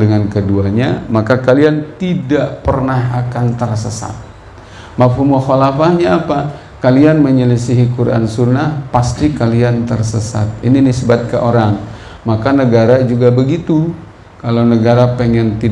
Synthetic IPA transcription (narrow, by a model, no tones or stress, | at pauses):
dəŋankəduaɲa̰makakaliant̪idaʔpərnahakant̪ərsəsa̰t̪̚ | mafhumoxalafahɲaːpa | kalianməɲələsiɦikuɾʔa̰nsunahpast̪ikaliant̪ərsəsa̰t̪̚ininisəbat̪̚kə̰ʔoɾaŋ | makanəɡaɾad͡ʒuɡabəɡit̪u | kalawnəɡaɾapəŋɛnt̪i